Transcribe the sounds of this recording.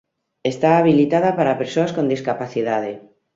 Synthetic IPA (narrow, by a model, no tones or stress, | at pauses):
est̪aːβilit̪aðapaɾapeɾsoaskond̪iskapaθiðað̞e